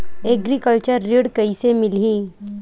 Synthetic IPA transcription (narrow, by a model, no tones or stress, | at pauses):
eɡɾikəlt͡ɕəɾːiɽkəisemɪlɦi